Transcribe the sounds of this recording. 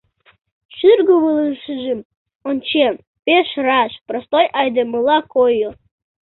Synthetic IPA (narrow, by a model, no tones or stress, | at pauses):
ʃyrɡoβɨlˠɨʃəʒɘ̆m | onʲt͡ɕem | peʃrɑʃprost̪ojʔɑjd̪emɨlˠɑkojo